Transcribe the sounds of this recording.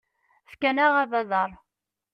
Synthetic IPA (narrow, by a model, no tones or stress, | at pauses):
fkænæʁævæðəɾˤ